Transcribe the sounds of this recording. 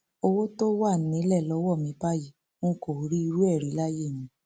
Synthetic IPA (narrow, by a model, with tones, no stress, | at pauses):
o˧wo˦to˦wa˦˨nĩ˨˦lɛ˦˨lɔ˧˦wɔ˦˨mĩ˧˦ba˦ji˨ | ũ˦ko˨˦ɾi˦i˧ɾu˦ɛ˦˨ɾi˨˦la˦je˦˨mĩ˧˦